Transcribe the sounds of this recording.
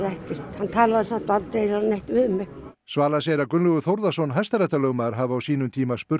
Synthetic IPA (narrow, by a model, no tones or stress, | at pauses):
leht̪ist̪hɑnt̪ʰælːɑsnt̪ʋɑlt̪eilɑneht̪ʋymːek | svaːlasjɛɾakʏnluɣʏθowɾðasɔnɦajst̪aɾɛht̪alœːwmaɾ̥ɦaːvaːwsiːnʏmt̪ʰiːmaspʏr